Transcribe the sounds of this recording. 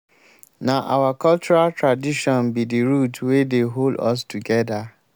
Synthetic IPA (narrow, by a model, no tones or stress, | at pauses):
naʔa̰wakɔlt͡ʃuɾaltɹadiʃɔ̃nbidiɾutwedeɦoldɔ̰s̬tuɡɛda